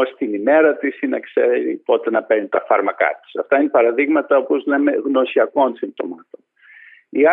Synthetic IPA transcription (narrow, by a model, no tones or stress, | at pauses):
ost̪inime̞ɾɐt̪isinɐkseɾḭo̞t̪enɐpenit̪ɐfɐɾmɐkɐ̰t̪i̥sɐft̪ɐine̞pɐɾɐðiɣmɐt̪ɐopozle̞me̞ɣno̞siɐko̞nsind̪o̞̰mɐt̪on | iɐ